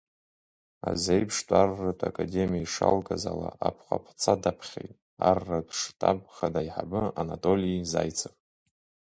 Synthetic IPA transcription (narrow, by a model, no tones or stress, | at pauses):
azejpʰʂtʼarːatʷʼakʼademijaiʂalɡʼazalaapʰχʷa̰pʰt͡sʰadapʰχʲejtʼ | arːatʼʰʂtʼabχadajħabɨanatʼo̞liizajt͡sʰapʼ